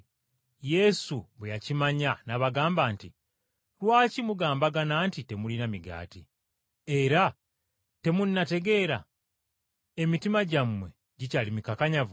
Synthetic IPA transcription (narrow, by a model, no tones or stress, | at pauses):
je̞suβwejacimaɲanaβaɡaːmbaːnti | ɾwaːcimuɡaːmbaɡanaːntite̞mulinamiɡa̰ːti | e̞ɾa | te̞munːate̞ɡe̞ːɾa | emitimaɟamwe̞̰ | ɟicalimikakaɲav